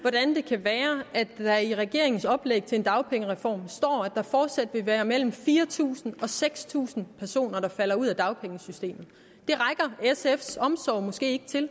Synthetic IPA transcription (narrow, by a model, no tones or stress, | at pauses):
ʋɒd̥ænd̥e̝kʰæʋæːɐæ̥æiʁɛɡ̥e̝ɐeŋn̩sɒ̽b̥leɡ̥̚t͡sʰe̝e̝nd̥ɑ̈ʊpʰeŋəʁɛfɒ̰ːmsd̥ɒ̰ːæd̥ɑ̈fɒːd̥sæd̥ʋe̝ʋæːɐmel̰m̩fiːɐt͡sʰṵːsn̩ɒ̽seɡ̥st͡sʰṵːsn̩pʰæɐso̝̰ːnɐɾ̥ɑ̈fæl̰ɐuð̞̰ˠæd̥ɑ̈ʊpʰeŋəsysd̥e̝̰ːmð̩ˠ | d̥e̝ʁɑɪɡ̥ɐesefsɒ̽msɒ̰ʊ̰mɔ̽sɡ̥e̝̰ːe̝ɡ̥ət͡sʰe̝l